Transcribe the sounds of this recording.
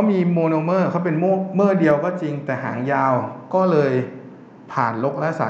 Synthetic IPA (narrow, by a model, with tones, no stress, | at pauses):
kʰa˦˥wmiː˧moː˧noː˧mɤː˥˩kʰa˦˥wp̬e˧nmoː˥˩mɤː˥˩di˧əwkɔː˥˩t͡ɕi˧ŋt̪ɛː˨˩ɦa̰ː˩˦ŋjaː˧wkɔː˥˩lɤː˧j | pʰaː˨˩nlo˦˥k̚lɛ˦˥sa̰˨˩˦